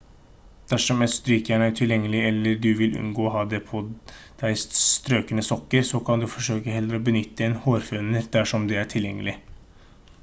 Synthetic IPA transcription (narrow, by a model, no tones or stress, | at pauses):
d̪̥æʂɔmɛt̪st̪ɾyːkjæːɳəæʈʰɪljɛŋːəlɪɛlːəɖʉʋɪlʔʉ̰nɡoːɦɑːd̪ɛpʰɔ | d̪̥æɪsst̪ɾøːkənəsɔkːəɾsɔkʰɑnd̪ʉfɔʂøːkəɦɛlːəɾɔbənʏt̪ːəeːnhoːɾfʉnːəɾd̪æʂɔmd̪ɛæʈʰɪljɛŋːəlɪ